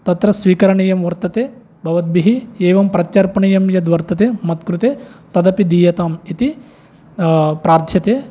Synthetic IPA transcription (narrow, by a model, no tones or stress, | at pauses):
t̪ɐt̪ɾɐsʋiːkɐɾɐɳɐjɐmʋɐɾt̪ɐt̪eː | bʱɐʋɐt̪̚biɦieːʋɐmpɾɐt̪t͡ʃɐɾpɐɳɐjɐmjɐd̪ʋɐɾt̪ɐt̪eːmɐt̪kɾut̪eːt̪ɐd̪ɐpid̪iːjɐt̪aːmit̪i | pɾaːɾt̪ʰjɐt̪eː